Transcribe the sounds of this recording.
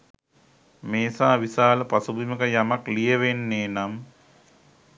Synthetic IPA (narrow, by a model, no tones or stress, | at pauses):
meːsaːʋisaːləpasubiməkəjamaklijəʋenːeːnam